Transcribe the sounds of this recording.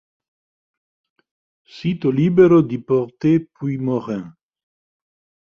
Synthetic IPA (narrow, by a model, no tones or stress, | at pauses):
sit̪olibeʁəd̪ipɔʁt̪epwimɔʁɛ̃